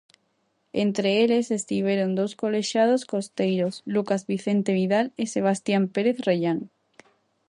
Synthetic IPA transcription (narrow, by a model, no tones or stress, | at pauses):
ent̪ɾeelesest̪iβeɾond̪owskoleʃað̞oskost̪ejɾoslukazβiθent̪eβiðaleseβ̞ast̪jampeɾeθreʎaŋ